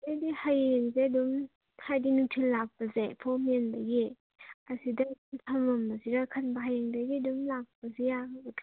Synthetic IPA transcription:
ajdihajeŋzeɐdum | hajdinutʰilːak̚pɐzepʰɔmenbɐɡe | ɐsidɐːdumtʰɐmɐmbɐziɾakʰɐnbɐɦajeŋdɐɡiɐdumlak̚pɐzejabɐtʰ

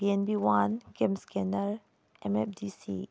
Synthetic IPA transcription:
biɛnbiwãnkɛ̃mskɛnəɹ | ʔɛ̃mɛf̚disḭ

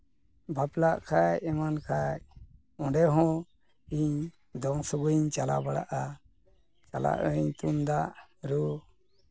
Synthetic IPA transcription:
bʱaplaʔkʰajɛmankʰaj | ɔ̃ɖɛɦɔ̃ | iɲ | d̪ɔŋsɔɡuɲt͡ʃala̰baɽa̰ʔa | t͡ʃala̰ʔəɲt̪und̪aʔɾu

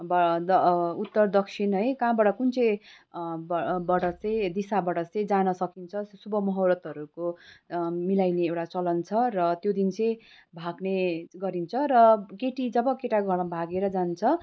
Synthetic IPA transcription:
bd̪ʌut̪ːʌrd̪ʌksʰinɦʌjkãbaɽʌkunt͡sʌj | bbaɽʌt͡sʌj̃d̪isabaʈʌt͡sʌ̃j̃d͡zanʌsʌkint͡sʰʌsubʌmʌɦʌwɾʌt̪ʌɾuko | milajneewʈat͡sʌlʌnt͡sʰʌrʌt̪jod̪int͡sʌ̃j̃ | bʱaɡneɡʌɾint͡sʰʌɾʌɡeʈid͡zʌbʌkeʈaɡʱʌʌbʱaɡeɾʌd͡zant͡sʰʌ

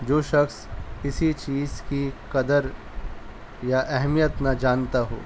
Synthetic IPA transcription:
d͡ʒoːʃɐxskɪsit͡ʃiːzkikɐd̪əɾ | jaʔɛɦmijət̪nɐd͡ʒaːnt̪aɦo̰ː

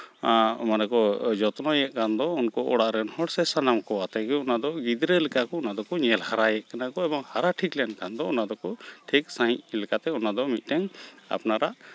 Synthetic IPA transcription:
manɛkɔd͡ʒɔt̪nɔjɛʔkʰand̪ɔunkɔʔɔɽaʔɾɛnhɔɽsɛsanamkɔat̪aɡɛunad̪ɔɡid̪ɾɛlɛkakɔunad̪ɔkɔɲɛlhaɾajɛʔkanakɔɛbɔŋhaɾaʈʰiklɛnkʰand̪ɔunad̪ɔkɔʈʰik̚sajlɛkat̪ɛunad̪ɔmit̪̚ˀʈɛŋa̰pnaɾaʔ

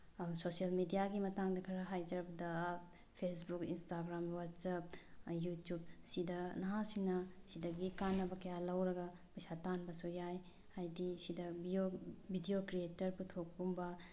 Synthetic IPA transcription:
sosijɐlmidijaɡimɐtaŋdɐkʰɐɾɐɦajd͡ʒɐɾp̚dɐ | pʰesbukinstaɡɾamwatsap̚jutjub̚sidɐnɐɦasinɐsidɐɡikanːɐbɐkɐjalɐwɾɐɡɐ | mɐjsatanbɐsujaj | hajdisidɐbiobʱidiokɾietɐɾputʰok̚bumbɐ

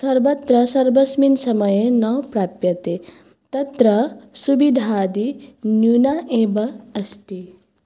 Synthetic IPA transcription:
sɐɾbɐt̪ɾɐsɐɾbɐsminsɐmɐjenɐwpɾaːpjɐt̪e | t̪ɐt̪ɾɐsubid̪ʱaːd̪injunaʔeːbɐɐsʈi

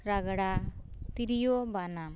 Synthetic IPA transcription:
ɾaɡaɽa | t̪iɾijɔbanam

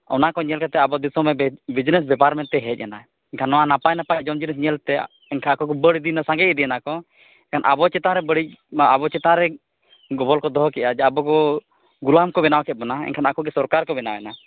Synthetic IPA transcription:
ɔ̰nakɔɲɛlkat̪ɛabɔd̪isɔmɛbid͡ʒnɛsbɛpaɾmɛnt̪ɛɦɛt̪̚ˀjana | ɛɲkʰanːɔwanapajnapajd͡ʒɔmd͡ʒinɛs̬ɲɛlt̪ɛ | ɛɲkʰaakɔkɔbəɽid̪inasãŋɡɛd̪inakɔ | ɛɲkʰanʔa̰bɔt͡ʃɛt̪ãɾɛbəɽic̚abɔt͡ʃɛt̪ãɾɛ | ɡɔbɔlkɔd̪ɔɦkɛʔad͡ʒɛabɔkɔ | ɡulamkɔbɛnawkʰɛt̚bɔnaɛ̰ɲkʰanakɔɡɛsɔɾkaɾkɔbɛnawɛna

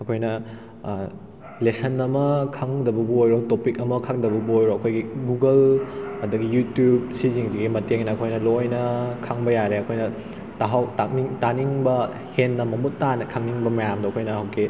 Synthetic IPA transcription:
ɐkʰojnɐ | lesɐnɐmɐkʰaŋdɐbɐbuojɾotopikɐmɐkʰaŋdɐbɐbuojɾoɐkʰojɡiɡuɡɐlɐdɐɡijutjub̚siziŋziɡimɐteŋnɐɐkʰojnɐlojnɐkʰaŋbɐjaɾeɐkʰojnɐ | taɦawtakniŋtaniŋbɐ | henːɐmɐmutːanɐkʰaŋniŋbɐmɐjamdɐɐkʰojnɐɦɐwɡi

